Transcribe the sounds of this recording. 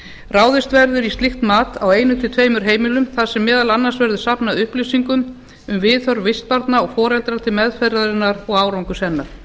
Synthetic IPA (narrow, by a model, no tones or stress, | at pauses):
raːwðɪst̪vɛɾðʏɾist̪lixt̪maːt̪aweːjnʏt̪ʰɪlt̪ʰveːjmʏɾ̥ɦeːjmɪlʏmθaðsɛmːɛːðalanːansvɛɾðʏsapnaʏhplisiŋkʏm | ʏmvɪðθœɾvɪst̪̚paɾt̪naɔɣfɔːɾɛlt̪ɾat̪ʰɪlmɛðfɛɾðaɾɪnːaɾɔɣaːwɾawŋkʏsɛnːaɾ̥